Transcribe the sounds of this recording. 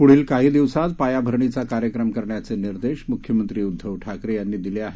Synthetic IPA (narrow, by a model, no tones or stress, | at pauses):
puɽ̤iːlkaɦiːd̪iʋsat̪pajabʱəɾɳit͡sakaɾjəkɾəmkəɾɳjat͡seniɾd̪eɕmukʰjəmənt̪ɾiːud̪ʱːəʋʈʰakɾejanːiːd̪ileaɦe